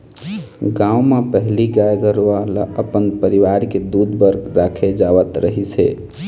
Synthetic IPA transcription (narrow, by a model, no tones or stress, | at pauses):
ɡãumepəɦliɡajɡəɾoalaəpənpəɾiʋaɾked̪ud̪bəɾɡɾakʰed͡ʒaʋət̪ɾəɦit͡ʃʰɛ̰